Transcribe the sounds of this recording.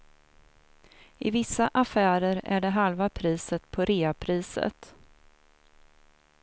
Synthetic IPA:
ɪvɪsːaʔafæːɾəɾæ̰ɖɛɦalvapʰɾiːsət̪pʰɔɾeːapʰɾiːsə̰t̪

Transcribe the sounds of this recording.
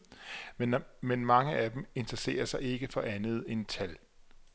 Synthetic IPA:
emenmɑ̈ŋəʔæd̥eme̝nd̥ʁɐse̝̰ːɐsɑ̈ɪe̝ɡ̥əfɒ̽ʔænð̞̩ˠe̝nt͡sʰæl

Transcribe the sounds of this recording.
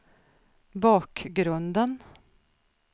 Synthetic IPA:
bɑːkɡɾɵnd̪ən

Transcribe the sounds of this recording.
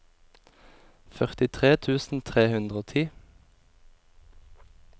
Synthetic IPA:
fœʁt̪ɪt̪ʰʁeːt̪ʰʉːsn̩t̪ʰʁeːhʉnd̪ʁəoːt̪ʰiː

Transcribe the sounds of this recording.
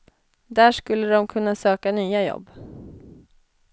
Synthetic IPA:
d̪æːʂkɵlːəd̪ɔmkʰɵnːasøːkanyːajɔ̰bː

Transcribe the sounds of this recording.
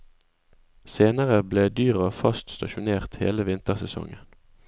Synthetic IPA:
seːnəʁəbleːd̪yːʁəfɑst̪st̪ɑʃʊneːʁt̪hḛːləʋɪnt̪əʁsɛsɔ̰ŋən

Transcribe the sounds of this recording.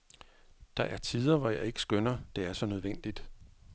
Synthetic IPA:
d̥ɑ̈ʔæɐt͡sʰiːð̞ˠɐʋɒjɑ̈ɪe̝ɡ̥ə̥sɡ̥ønɐd̥e̝æɐsɒ̽nøð̞ˠʋen̰d̥id̥

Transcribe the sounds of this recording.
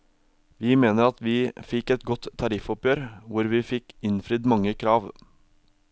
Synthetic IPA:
ʋiːmeːnəɾɑt̪ʋiːfɪkːɛt̪ɡɔt̪ʰːɑɾɪfɔpjøːɾʋʊɾʋiːfɪkɪnfɾʏd̪mɑŋːəkʰɾɑːʋ

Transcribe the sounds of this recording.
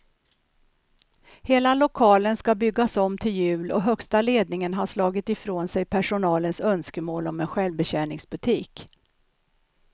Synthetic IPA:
heːlalʊkʰɑːlənskabʏɡːasɔmːt̪ʰɪljʉ̟ːlɔ̰ɦœkst̪aleːd̪̚nɪŋənɦaʂlɑːɡɪt̪ɪfɾoːnsɛjpʰæʂʊnɑːlənsœnskəmoːlɔmɛnɧɛlvbɛɕæːɳɪŋsbɵt̪ʰiːk

